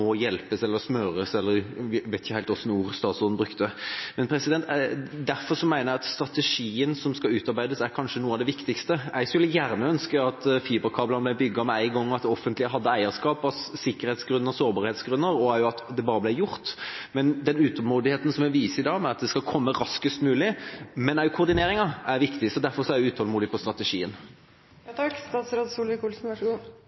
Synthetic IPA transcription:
ɔjɛlpəsɛlːəɾsmœɾəsɛlːəɾʋæɪt̪ɪçəhæɪlt̪ɔsːɔnuːɾst̪ɑːt̪sɔnn̩bɾʉkt̪əmɛnpʰɾɛsɪd̪ɛnt̪d̪æɾfɔɾʂɔmæɪnəæɑt̪st̪ɾɑt̪ɛʂiːənsɔmskɑʉːt̪ɑɾbæɪd̪əsæɾkʰɑnʂənuːəɑʋd̪ɛʋɪkt̪ɪkst̪əʔɛɪɡskʉlːəjæːɾnəœnskəɑt̪fiːbəkʰɑːblɑnblæɪbʏɡːɑmɛæɪɡɔŋːɑt̪d̪ɔfənt̪lɪəɦɑd̪ːəæɪəɾskɑːpɑsːɪkːəɾheːt̪sɡɾʉnːəɾɔsoːɾbɑːɾheːt̪sɡɾʉnːəɾɔæɾjʊɑt̪d̪ɛbɑːɾəblæɪjʊɾt̪mɛnd̪ɛnʉːt̪ɔlmuːd̪ɪheːt̪ən̩sɔmæʋiːsəɪd̪ɑːmɛɑt̪̚d̪ɛskɑkʰɔmːəɾɑskəst̪mʉːlɪmɛnæjʊkʰʊɾd̪ɪneːɾɪŋɑæɾʋɪkt̪ɪsɔd̪æɾfɔɾsɔæɾjɛʉːt̪ʰhɔlmuːd̪ɪpʰɔst̪ɾɑt̪ɛʂiːən | ɑkst̪ɑːt̪sɾoːd̪suːlɪkuːlsn̩ɑʂɡuː

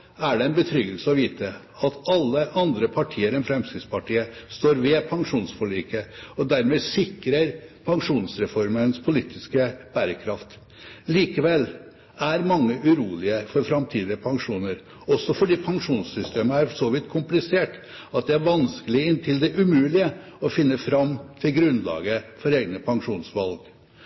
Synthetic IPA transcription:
æɖɛɛnbət̪ʰɾʏɡəlsəɔʋiːt̪ə | ɑt̪ɑlːəʔɑnd̪ɾəpʰɑʈʰiːəɾɛnfɾɛmskɾɪspʰɑʈʰiːəst̪oːɾʋɛpʰɑŋʂuːnsfɔɭiːkəɔd̪æɾmeːsɪkɾəɾpʰɑŋʂuːnsɾɛfɔɾmənspʰʊliːt̪ʰɪskəb̥æːɾəkʰɾɑft̪ | liːkəʋɛlː | æɾmɑŋːəʔʉɾuːlɪəfɔɾfɾɑmt̪ʰiːd̪ɪəpʰɑŋʂuːnəɾ | ɔsɔfɔɖiːpʰɑŋʂuːnsːʏst̪ʰeːməæɾsɔʋɪt̪kʰʊmplɪseːʈ | ɑt̪̚d̪ɛæɾʋɑnskəlɪəɪnt̪ʰɪld̪ɛʔʉmʉːlɪə | ɔfɪnːəfɾɑmt̪ʰɪlɡɾʉnlɑ̰ːɡəfɔɾeːɡnəpʰɑŋʂuːnsʋɑlɡ

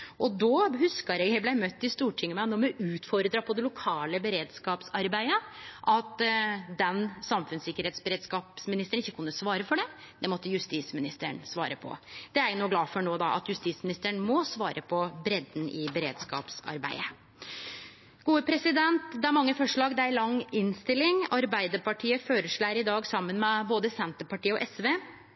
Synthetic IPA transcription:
ʔɔd̪ɔːɦʉskəɾɛɡhæblæɪmœt̪ːɪst̪uːʈʰɪŋːəmæɪnɔːmɛʔʉːt̪fɔɾəd̪ɾɑpʰɔd̪ɛlʊkʰɑːləbəɾeːd̪skɑːpsɑɾbæɪəʔɑt̪d̪ɛnsɑmfʉnsɪkːəɾheːt̪sbəɾeːd̪skɑːpsmɪnɪst̪əɳɪçːəkʉnːəsʋɑːɾəfɔɖɛ | d̪ɛmɔt̪ːəjʉst̪iːsmɪnɪst̪əɳsʋɑ̰ːɾəpʰɔ̰d̪̥ɛæɾjʊnuːɡlɑːfɔɳoːd̪ɑʔɑ̰t̪jʉst̪iːsmɪnɪst̪əɳmɔsʋɑːɾʔəpʰɔbɾɛd̪n̩ʔɪbɛɾḛːd̪skɑ̰ːpsɑ̰ɾbæ̰ɪə | ɡuːəpʰɾɛsɪd̪ɛnt̪d̪ɛæɾmɑŋːəfɔʂɭɑːɡd̪ɛæɾlɑŋɪnst̪ɪlːɪŋɑɾbæɪd̪əɾpɑʈʰiːəføːɾəʂɭæɪɾɪd̪ɑːɡsɑmːənmɛboːd̪əsɛnt̪əpɑʈiːəɔʔɛsʋeː

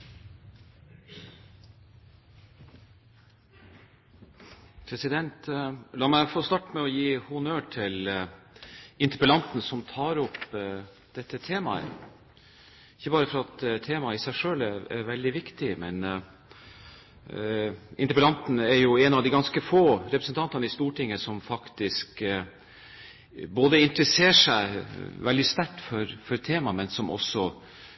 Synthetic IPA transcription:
pʰɾɛsɪd̪ɛnt̪lɑːmæɪfoːst̪ɑʈmɛɔjiːhʊnøːʈʰɪl | ɪnt̪əɾpəlɑnt̪nəsɔmt̪ʰɑːɾɔp | d̪̥ɛt̪ːət̪ʰeːmɑ̰ə̰ | ɪçːəbɑːɾəfɔɾɑɑt̪t̪ʰeːmɑɪsæɪʂøːlææ̰ɾʋɛld̪ɪʋɪkt̪ɪmɛn | ɪnt̪əpəlɑnt̪n̩ɛɾjʊɛnɑʋd̪ɪɡɑnskəfoːɾɛpɾəsnt̪ʰɑnt̪ɑnəɪst̪uːʈɪŋːəsɔmfɑkt̪ɪsk | boːd̪əɪnt̪ɾəseːʂæɪʋɛld̪ɪst̪æʈːfɔɾfɔɾt̪ʰeːmɑmɛnsɔmʔɔ̰sɔ

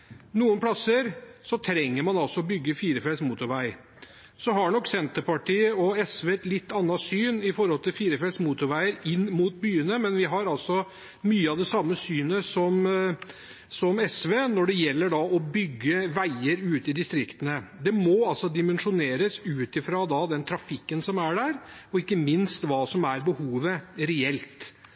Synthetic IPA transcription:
nuːənpʰlɑsːəɾsɔt̪ʰɾɛŋːəɾmɑnɑlsɔɔbʏɡːəfiːɾəfɛlsmuːt̪ʊɾʋæɪ | sɔɦɑɳɔkːsɛnt̪əɾpɑʈiːəɔɛsʋeːɛt̪lɪt̪ʰːɑnːɑsyːnɪfɔɾhɔlt̪ʰɪlfiːɾəfɛlsmuːt̪ʊɾʋæɪəɾɪnːmuːt̪̚byːənəmɛnʋɪɦɑɾɑlsɔ | myːəɑʋd̪ɛsɑmːəsyːnəsɔm | sɔmɛsʋeːnɔɖɛjɛlːəɖɑɔbʏɡːəʋæɪəɾʉːt̪ɪd̪ɪst̪ɾɪkt̪ənəd̪ɛmɔɑlsɔd̪ɪmənʂʊneːɾəsʉːt̪ɪfɾɑd̪ɑd̪ɛnt̪ʰɾɑfɪkːənsɔmæɖæɾɔɪkːəmɪnst̪ʋɑːsɔmæɾbəhuːʋəɾɛɛlt̪

